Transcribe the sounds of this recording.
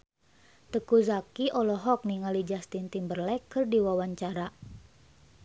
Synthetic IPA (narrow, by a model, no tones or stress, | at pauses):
t̪əkuzakiʔɔlɔɦɔk̚niŋalid͡ʒast̪int̪imbərlɛkːɨrdiwawaɲt͡ʃaɾa